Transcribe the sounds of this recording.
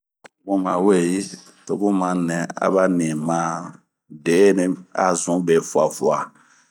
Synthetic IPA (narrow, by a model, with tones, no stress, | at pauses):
ɡũ˦mã˨we˦˨ji˦ | to˨ɡũ˦mã˨nɛ̃˨a̰˨ba˦nĩ˨mã˦ | de˨˦nĩ˦a̰˨zũ˨˦be˨fu˦a˨fu˦a˨